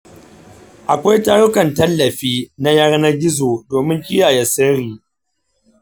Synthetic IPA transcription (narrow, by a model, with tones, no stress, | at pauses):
ʔa˨kʷa˦jtaː˦ɽʊ˦kɐ˨ntɐ˦lːɐ˨ɸiː˦na˦jɐ˦rna˦ɡʲɪ˦zoː˨doː˨mɪ˦ŋkʲɪ˦jaː˨ja˦sɐ˦ɾiː˨